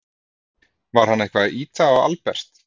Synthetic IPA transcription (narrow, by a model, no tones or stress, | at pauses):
vaɾ̥hanːehkvaðʔiːt̪aɔɣa̰lpɛr̥t̪